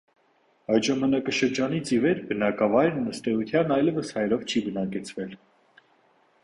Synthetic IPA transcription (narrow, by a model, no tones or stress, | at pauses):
ɑjt̪ʒɑmɑnɑkɑʃəɾd͡ʒɑnit͡sivɛɾbənɑkɑvɑjɾnəst̪ɛut̪ʰjɑnɑjlɛvəshɑjɾɔvt͡ʃʰibənɑkɛt͡sʰvɛl